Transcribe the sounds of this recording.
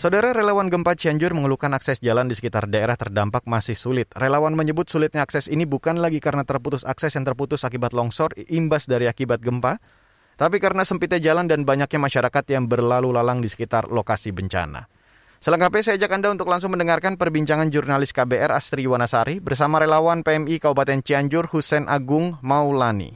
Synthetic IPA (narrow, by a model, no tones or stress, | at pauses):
sawdaɾaɾelawanɡəmpat͡ʃiaɲd͡ʒʊrməŋəlukanaksɛsd͡ʒalandisə̥kit̪a̰rdaeɾaht̪ərdampak̚masɪhsulɪt̪̚relawanməɲəbʊt̪̚sulɪt̪̚ɲaːksɛsinibukanlaɡikaɾnat̪ərput̪ʊsaksɛsjaŋt̪ərput̪ʊsakibat̪̚lɔŋsɔrʔimbasdaɾiakibat̪̚ɡəmpa | t̪ap̬ikaɾənasəmpit̪ad͡ʒalandanbaɲak̚ɲamaʃaɾakat̪jaŋbərlalulalaŋdisə̥kit̪a̰rlokasibəɲt͡ʃa̰na̰ | sələŋkapɛsajad͡ʒakandaunt̪ʊk̚laŋs̬ʊŋməndəŋarkanpərbiɲt͡ʃaŋand͡ʒurnalɪskabeɛɾast̪ɾiwanasaɾibərsamaɾelawanpeɛmikabopat̪ɛnt͡ʃiaɲd͡ʒʊrhusɛnʔaɡʊŋmaulanḭ